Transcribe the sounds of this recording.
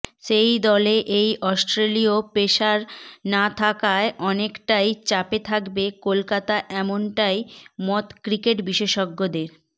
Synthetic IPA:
ʃejd̪ɔleʔejʔɔsʈɾeliopeʃaɾnat̪ʰakaeʔɔnekʈajt͡ɕapet̪ʰakbekolkat̪aʔɛmonʈajmɔt̪kɾikeʈbiʃeʃɔɡːod̪eɾ

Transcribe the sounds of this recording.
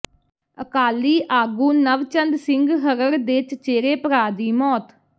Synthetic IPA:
əkaːliːʔaːɡuːnəʋt͡ʃənd̪sɪŋɡɦəɾəɾd̪et͡ʃt͡ʃeːɾeːpəɾaːd̪iːmɔːt̪

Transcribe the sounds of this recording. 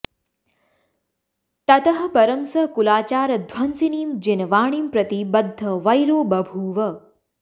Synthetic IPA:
t̪ɐt̪ɐɦɐ̆pɐɾɐmsɐkulaːt͡ʃaːɾɐd̪ʱwɐnsiniːmd͡ʒenɐʋaːɳ̃iːmpɾɐt̪ibɐd̪ʱːɐʋɐjɾoːbɐbʱuːʋɐ

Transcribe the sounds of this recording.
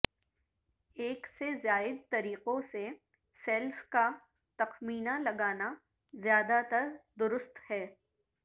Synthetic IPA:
eːksezjaːɪd̪̚t̪ɐɾiːqõse | sɛːlska | t̪ɐxmiːnalɐɡaːna | zjaːd̪at̪ɐɾd̪ʊɾʊst̪hɛː

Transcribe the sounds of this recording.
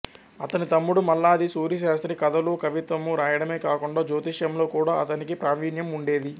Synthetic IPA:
ɐt̪ɐnit̪ɐmːuɽumɐlːaːd̪isuːɾjɐʃaːst̪ɾikɐd̪ɐluːkɐʋit̪ʋɐmːuɾaːjɐɽɐme̞ːkaːkuɳɖaːd͡ʒoːt̪iʃjɐmlo̞ːkuːɽaːɐt̪ɐnikipɾaːʋiːnjɐmuɳɖe̞ːd̪i

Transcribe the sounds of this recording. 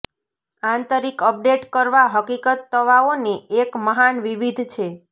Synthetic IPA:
ãnt̪əɾikəp̚ɖeʈkəɾʋaɦəkikət̪ːəʋaoniekməɦanʋiʋid̪ʱt͡ʃʰe

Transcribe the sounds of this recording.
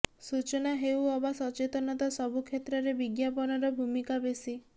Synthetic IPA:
sut͡ʃɔnaɦewɔbasɔt͡ʃet̪ɔnɔt̪ɔsɔbʱukʰet̪ɾɔɾebiɡjapɔnɔɾɔbʱumikabesi

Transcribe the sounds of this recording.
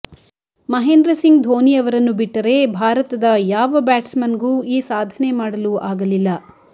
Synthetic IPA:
mɐɦeːnd̪ɾɐsiŋɡd̪ʱoːnijɐʋɐɾɐnːubiʈːɐɾe̞bʱaːɾɐt̪ɐd̪ɐjaːʋɐbaːʈsmɐnɡuːiːsaːd̪ʱɐne̞maːɽɐluʔaːɡɐlilːɐ

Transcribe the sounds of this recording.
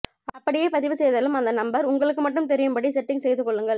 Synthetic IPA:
ɐpːɐɽɪjeːpɐðɪʋɯsɛjðɐlɯmɐnd̪ɐnɐmbɐɾʊŋɡɐɭɯk̬ːɯmɐʈːɯmt̪ɛɾɪjɯmbɐɽisɛʈːɪŋsɛjðɯkːɔɭːɯŋɡɐɭ

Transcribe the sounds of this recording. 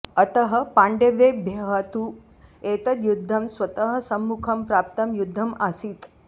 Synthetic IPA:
ɐt̪ɐɦɐ̆paːɳɖeʋeːbʱjɐɦaːt̪u | eːt̪ɐt̪jud̪ʱːɐmsʋɐt̪ɐɦɐ̆sɐmːukʰɐmpɾaːp̚t̪ɐmjud̪ʱːɐmʔasiːt̪

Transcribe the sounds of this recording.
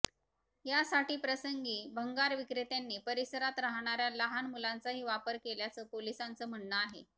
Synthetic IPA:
jasaʈiːpɾəsəŋɡiːbʱəŋɡaɾʋikɾet̪janːiːpəɾisəɾat̪ɾaɦɽ̃aɾjaləɦanmulant͡saɦiːʋapəɾkeljat͡səːpolisant͡səːm̤əɳːəaɦḛ

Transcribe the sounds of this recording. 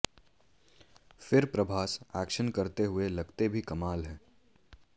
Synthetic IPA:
fɪɾpɾɐbʱaːsɛːkʃənkɐɾt̪eɦʊelɐɡt̪ebʱikɐmaːlɦɛ̃ː

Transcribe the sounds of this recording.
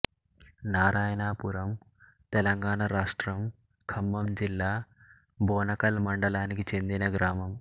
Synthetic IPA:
naːɾaːjɐnaːpuɾɐm | t̪ɛlɐŋɡaːɳɐɾaːʂʈɾɐm | kʰɐmːɐmd͡ʒilːaː | bɔːnɐkɐlmɐɳɖɐɭaːnikit͡ʃe̞nd̪inɐɡɾaːmɐm

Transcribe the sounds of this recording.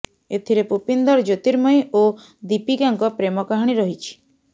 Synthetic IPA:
et̪ʰiɾepupind̪ɔɾd͡ʒot̪iɾmɔjo | d̪ipiɡaŋkɔpɾemɔkaɦaɽ̃iɾɔɦit͡ʃʰi̥

